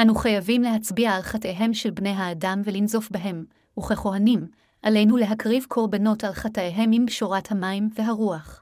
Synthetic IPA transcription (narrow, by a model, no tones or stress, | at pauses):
anuχajavimle̞ɦat͡sbiaːlχatejɦe̞mʃelbne̞jɦaːdamvelinzo̞fbeɦe̞m | uχeχo̞ɦanim | ʔale̞jnule̞ɦakʁivkʰo̞ʁbano̞talχateɦe̞mimbʃoʁathamaimve̞ɦaʁuaχ